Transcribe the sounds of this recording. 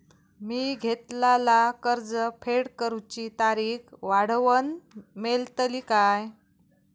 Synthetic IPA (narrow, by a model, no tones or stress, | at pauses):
miːɡʱet̪lalakəɾd͡zəpʰeɽkəɾut͡ɕit̪aɾiːkʋaɽ̤ʋənmelt̪əlikaj